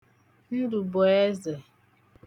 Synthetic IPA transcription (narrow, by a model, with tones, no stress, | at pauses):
n̩˦du˨bɔ˨e˦ze˨